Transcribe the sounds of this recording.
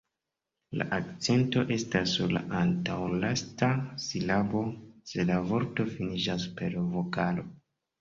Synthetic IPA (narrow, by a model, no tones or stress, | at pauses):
la̰ʔak̚t͡se̞nto̞ʔe̞stasːuɾla̰ʔantawlastasilabo̞se̞lavo̞ɾto̞finid͡ʒaspe̞ɾvo̞kalo̞